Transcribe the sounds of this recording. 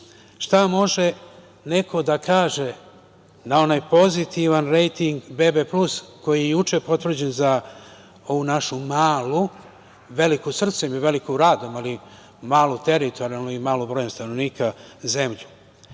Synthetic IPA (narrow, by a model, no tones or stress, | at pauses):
ʃt̪amo̞ʒe̞ | ne̞kʰo̞d̪akʰaːʒe̞ | nao̞naːjpo̞zit̪iʋanɾe̞jt̪iŋɡbe̞beplusko̞jijejut͡ʃepo̞t̪ʋr̩d͡ʑe̞nza | o̞ʋunaʃumaːlu | ʋe̞likusr̩t̪semiʋe̞likoɾaːd̪omali | maːlˠut̪e̞ɾit̪ʰo̞ɾialnoimaːlobɾojemst̪anoʋniːkʰaze̞mʎu